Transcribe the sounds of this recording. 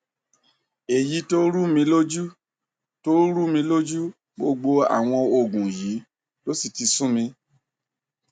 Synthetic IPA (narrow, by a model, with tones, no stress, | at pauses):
e˨ji˨˧˦to˦ɾu˦mĩ˧lo˦d͡ʒu˦ | to˦ɾu˦mĩ˧lo˦d͡ʒu˦ | ɡ͡bo˧ɡ͡bo˧a̰˨w̃ɔ̃˧o˧˨ɡũ˨ji˨˦ | to˦si˦˨ti˧sũ˦mĩ˧